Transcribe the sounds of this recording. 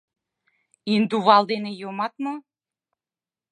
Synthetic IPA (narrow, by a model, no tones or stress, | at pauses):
ind̪uβɑld̪enejomɑt̪mɤ